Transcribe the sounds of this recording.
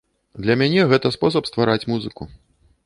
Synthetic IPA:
d̪lʲɐmʲanʲɛɣɛt̪ɐspɔs̬ɐpst̪vaɾat͡sʲmuzɨku

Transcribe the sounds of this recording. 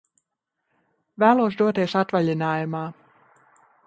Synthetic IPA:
væːlˠuɔsd̪uɔt̪eːsat̪vaʎʲinaːjumaː

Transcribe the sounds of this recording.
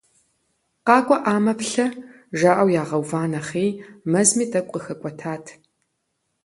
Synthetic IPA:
qɑːkʷʼɔʔaːmɐpɬɐ | ʒaːʔɐwjaːʁɐwvaːnɐχeːjmɐzmiːtʰʼɐkʷʼqʼəxɐkʷʼɔtʰaːtʰ

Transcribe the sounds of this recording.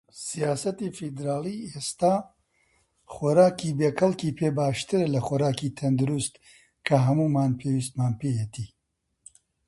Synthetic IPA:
sijaːsɐt̪ifid̪ɾaːliːest̪aː | xɔɾaːkiːbeːkʰɐlkiːpʰeːbaːʃt̪ɨɾlɐxɔɾaːkiːt̪ʰɐnd̪ʊɾust̪ | kʰɐɦɐmuːmaːnpʰeːwiːst̪maːnpeːjɛt̪iː

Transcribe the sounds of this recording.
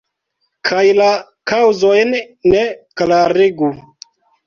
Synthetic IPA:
kʰajla | kawzojn | neklaɾiɡu

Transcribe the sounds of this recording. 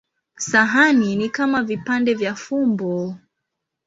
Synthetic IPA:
saɦaninikamavipandɛvjafumbɔ

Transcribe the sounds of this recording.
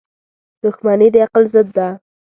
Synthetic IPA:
d̪̥ʊxmanid̪əaqlzəd̪ːa

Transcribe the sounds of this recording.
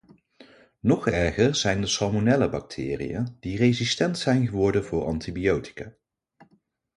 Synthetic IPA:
nɔχɛɹχəɹz̥ɛjndəsɑlmonɛləbɑk̚tʰɪ̰ːrḭa̰d̥irejzistɛntsɛjnχəʋɔɹdənvʊːɹɑ̰ntibiowti̥ka

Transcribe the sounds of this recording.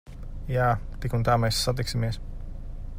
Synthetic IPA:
jaːt̪ikunt̪aːmɛjsːat̪̬iksimiəs

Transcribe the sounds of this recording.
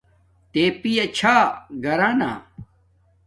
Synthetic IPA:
t̪eːpijɐt͡ɕʰaːɡɐɾaːna̰ː

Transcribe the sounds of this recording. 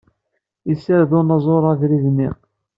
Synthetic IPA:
isːəɾðʊnɑzˤoɾˤæðɾiðnḭ

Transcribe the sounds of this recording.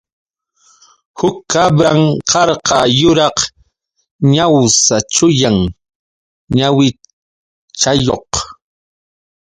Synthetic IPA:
hʊkːabɾaŋqɑɾqɑjʊɾɑq | ɲawsat͡ʃʊjaŋ | ɲawɪ | t͡ʃajoq

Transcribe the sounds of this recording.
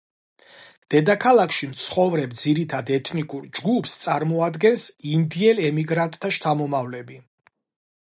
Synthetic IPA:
d̪̥ɛd̪akʰalˠakʰʃimt̪sʰχɔvɾɛb̚d̪ziɾit̪ʰad̪ɛt̪ʰnikʼuɾd͡ʒɡupʰst̪sʼaɾmɔad̪ɡɛnsind̪iɛlɛmiɡɾant̪ʼt̪ʰːaʃt̪ʰamɔmavlɛbi

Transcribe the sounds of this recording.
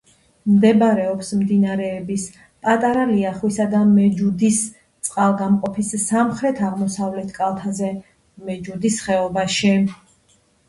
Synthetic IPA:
md̪ɛbaɾɛɔpsmd̪inaɾɛːbis | pʼat̪ʼaɾaliaχwisad̪amɛd͡ʒud̪is | t̪sʼqʼalˠɡamqʼɔpʰisːamχɾɛt̪ʰaʁmɔsavlɛt̪ʰkʼalˠt̪ʰazɛ | mɛd͡ʒud̪isχɛɔbaʃi

